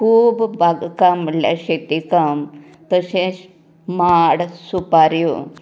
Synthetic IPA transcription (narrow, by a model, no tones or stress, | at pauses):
kʰuːbbaɡkamlja̰ɕet̪ikam | t̪əɕẽs | maɽsupaɾjo̰